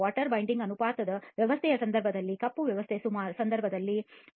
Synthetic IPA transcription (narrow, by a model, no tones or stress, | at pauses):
aːʈɐɾbɐjɳɖiŋɡɐnupaːt̪ɐd̪ɐʋjɐʋɐst̪ʰɛjɐsɐnd̪ɐɾbʱɐd̪ɐlːikɐpːuʋjɐʋɐst̪ʰesumaːɾusɐnd̪ɐɾbʱɐd̪ɐlːi